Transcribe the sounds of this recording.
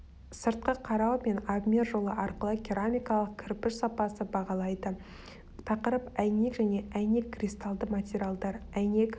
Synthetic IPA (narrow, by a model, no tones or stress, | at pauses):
səɾt̪̚qəqʰɑɾɑwme̞nabmʲerʒo̞lˠəʔɑɾqəlˠəkʲeɾamʲijkɑlˠəq̚kʲʰɪɾpɪʃsɑpɑsəbɑʁɑlˠɑjd̪ə | t̪ʰɑqəɾəpæjne̞kʒæne̞ʔæjne̞kːʰrʲist̪ɑlˠd̪əmat̪ʲeɾʲialˠd̪ɑɾæjne̞k